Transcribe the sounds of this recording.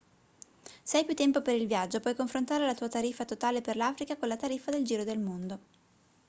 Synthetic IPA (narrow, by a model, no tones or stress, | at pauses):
sɛjpjut̪ːɛmpopeɾilvjad͡ʒːopwɔjkoɱfɾont̪aːɾelat̪uːat̪aɾifːat̪ot̪aːleperlaːfɾikakonlat̪aɾifːad̪eld͡ʒiːɾod̪elmond̪o